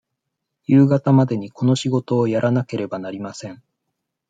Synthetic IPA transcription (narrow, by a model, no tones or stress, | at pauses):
jɯːɡat̪amad̪e̞ɲ̟iko̞no̞ɕiɡo̞t̪o̞ːjaɾʔanake̞ɾe̞banaɾʲimasẽ̞ɴ